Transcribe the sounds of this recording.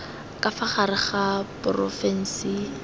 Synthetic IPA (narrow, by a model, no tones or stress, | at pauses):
kʼafaχaɾɪχapʊrɔfɛn̩si